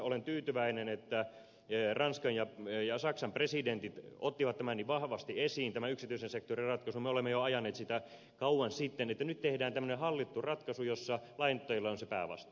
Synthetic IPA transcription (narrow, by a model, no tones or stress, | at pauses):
olent̪yːt̪yʋæinenet̪ːæ | rɑnskɑnjɑjɑsɑksɑmpresident̪it̪ot̪ːiʋɑt̪t̪ːæmænːiʋʋɑhʋɑst̪iesiːnt̪æmæyksit̪yisensek̚t̪orirɑt̪kɑsumeolemːejoɑjɑnːeːt̪sit̪æ | kɑuwɑnsit̪ːenet̪ːænyt̪t̪ehdæːnt̪æmːø̆nehɑlːit̪ːurɑt̪kɑsujosːɑlɑint̪ːɑjilːɑonsepæ̰ːʋɑ̰st̪ɑ̥